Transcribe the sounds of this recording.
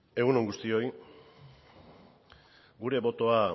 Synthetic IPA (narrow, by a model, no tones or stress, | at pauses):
e̞ɣunoŋɡust̪io̞j | ɡuɾe̞βo̞t̪o̞a